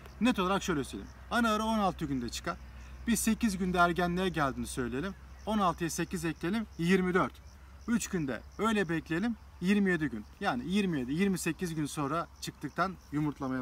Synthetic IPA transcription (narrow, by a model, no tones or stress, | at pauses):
nɛt̪ʰo̞lˠaɾakʃø̞jlʲɛsḛlʲim | anaaɾao̞nalˠt̪ʰɯɟynd̪ɛt͡ʃʰɯ̥kanb̥ise̞cizɟynd̪ɛːɾɟænlʲeɾɛɟælʲd̪inisø̞jleelʲimo̞nalˠt̪ʰɯjase̞cizɛclʲelʲimjiɾmid̪øɾt̪ | yt͡ʃɟynd̪ɛ̰ø̞jlʲɛbɛclʲeelʲim | jiɾmijed̪iɟynjaːnijiɾmije̞d̪ijiɾmise̞cizɟynso̞nɾat͡ʃʰɯk̚t̪ʰɯk̚t̪ʰanjumuɾt̪lˠamaja